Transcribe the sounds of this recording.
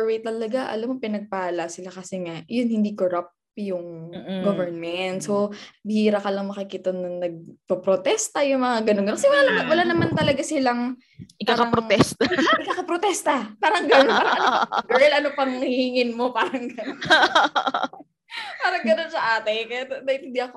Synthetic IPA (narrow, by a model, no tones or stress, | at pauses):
wejt̪ɐlɐɡaʔɐ̰lamːopɪnɐɡ̚palasɪlakɐsɛŋajʊnhɪnd̪ikoɾap̚ | jʊŋɡovɛɹnmɛnt̪sobɪhiːɾɐkɐlɐŋmɐkɪkit̪ɐnɐnɐɡ̚pɐpɾot̪ɛst̪ɐjʊŋmɐŋaɡɐnoɡɐnokɐsɛwɐlawɐlaːnɐmant̪ɐlɐɡasɪlaŋ | ɪkakɐɐpɾoɛst̪ɐʔɪkaːkɐpɾot̪ɛst̪ɐpaːɾɐŋɡɐnonpaːɾɐɐnopɐɡɛɹlɐnopɐŋhhiːŋɪnmo̞paːɾɐŋɡɐnon | paːɾɐŋɡɐno̞nsɐʔaːt̪ɛkɐjad̪ɐɪt̪ɪnd̪iɐko